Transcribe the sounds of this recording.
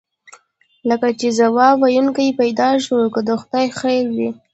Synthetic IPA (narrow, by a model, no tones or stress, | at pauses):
ləkat͡ʃezawɑwajunkajipajd̪ɑʃəwkəd̪əxʊd̪ajxajlwi